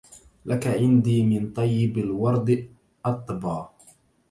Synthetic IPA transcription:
lʔakaʕɪnd̪iːmɪnt̪ˤɑjːɪbalwɑɾˤd̪ | ʔɑt̪ˤːbɑː

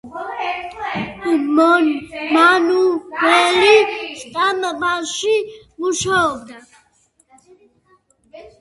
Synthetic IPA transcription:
mɔnmanuwɛliʃt̪ʼamabaʃi | muʃaɔbd̪a

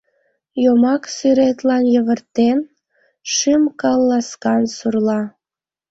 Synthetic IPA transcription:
jomɑksyɾet̪lɑnjəβərt̪en | ʃɨmkɑlˠːɑskɑnsurlɑ

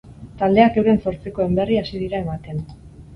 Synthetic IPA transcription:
t̪ald̪e̞ake̞wɾe̞nso̞ɾt͡siko̞e̞mbe̞riasið̞iɾae̞mat̪e̞n

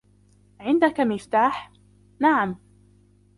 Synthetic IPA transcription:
ʕɪnd̪akamɪft̪aːħ | naʕam

